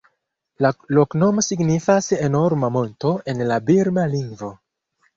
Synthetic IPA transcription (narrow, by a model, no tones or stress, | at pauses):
lalo̞kno̞mo̞siɡnifase̞no̞ɾmamo̞nto̞e̞nlabiɾmaliŋɡvo̞